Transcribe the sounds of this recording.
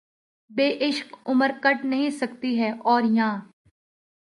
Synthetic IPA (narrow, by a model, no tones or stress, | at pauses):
beːʔɪʃkʊməɾkɐʈnɐɦĩsɐkt̪iɦɛːʔɔːɾjãː